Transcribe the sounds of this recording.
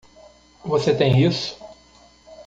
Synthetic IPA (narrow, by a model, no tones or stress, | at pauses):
voset̪ẽj̃isʊ̥